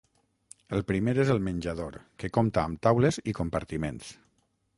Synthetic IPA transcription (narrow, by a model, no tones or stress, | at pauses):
əlˠpɾimeɾezəlˠmənʲd͡ʒað̞oɾkekomt̪aːmt̪awlezikompaɾt̪imḛns